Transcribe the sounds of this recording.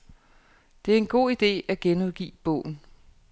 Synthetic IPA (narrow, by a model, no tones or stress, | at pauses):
d̥e̝æɐe̝nɡ̥o̝̰ːid̥e̝̰ːæɡ̥enoðˠɡ̥ḭːb̥ɔ̰̽ʊ̰n̩